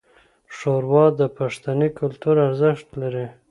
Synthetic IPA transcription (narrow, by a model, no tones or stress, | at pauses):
ʂoɾwɑd̪əpaʂt̪anikʊlt̪uɾaɾzɪʃt̪laɾi